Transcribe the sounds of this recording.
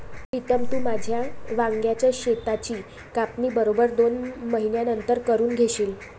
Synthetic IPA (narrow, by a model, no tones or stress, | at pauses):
it̪əmt̪uːmad͡ʑʱjaʋaŋɡjat͡ɕjaɕet̪at͡ɕiː | kapniːbəɾobəɾd̪onməɦinjanənt̪əɾkəɾuːnɡʱeɕiːl